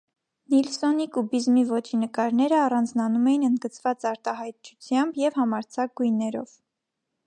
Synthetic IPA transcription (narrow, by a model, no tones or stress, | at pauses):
nilsɔnikubizmivɔt͡ʃʰinəkɑɾnɛɾəɑrɑnd͡znɑnumɛjinənd̪ɡət͡svɑt͡sɑɾt̪ɑɦɑjt̪̚t͡ʃʰut͡sʰjɑmbjɛvhɑmɑɾt͡sʰɑk̚ɡujnːɛɾɔ̰v̥